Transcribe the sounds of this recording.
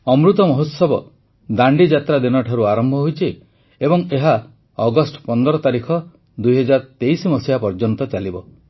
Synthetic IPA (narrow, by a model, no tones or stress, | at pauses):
ɔmɾut̪ɔmɔɦot̪sɔbɔ | d̪aɳɖid͡ʒat̪ɾad̪inɔʈʰaɾuaɾɔmbʱɔɦojt͡ʃʰi | ebɔŋeɦa | ɔɡɔsʈɔ̥pɔnd̪ɔɾɔt̪aɾikʰɔ | d̪ujɦɔd͡ʒaɾt̪ejsimɔsijapɔɾd͡ʒɔnt̪ɔt͡ʃalibɔ